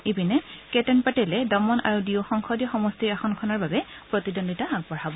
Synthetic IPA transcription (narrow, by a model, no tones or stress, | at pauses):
ebinɛkɛtɛnpatɛlɛdɔmɔna̰ɹudiɔxɔŋkʰɔdiɔxɔmɔstiɹaxɔnkʰɔnaɹbabɛ | pɹɔtidɔnditaaɡ̚bɔɹabɔ